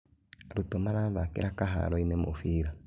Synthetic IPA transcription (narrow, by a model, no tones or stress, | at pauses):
ɾutɔmaɾaðakḛɾakaɦa̰ɾɔinɛmofiːɾa